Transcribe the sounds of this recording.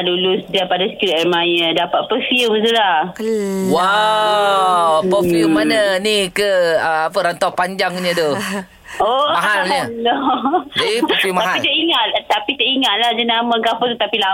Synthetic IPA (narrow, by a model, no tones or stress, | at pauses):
dulusdiapadasə̥kilaʔmajədapat̪̚pəfiumt̪ulah | wa | pəfiumːananikəap̬əɾant̪awpaɲd͡ʒaŋɲə̃d̪o | oaɦaləloapəfumaaɦpit̪əʔiŋat̪t̪apit̪əʔiŋat̪̚lahd͡ʒənamãɡafʊt̪ut̪apila